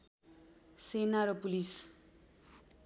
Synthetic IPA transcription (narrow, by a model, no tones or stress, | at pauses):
senaɾʌpulis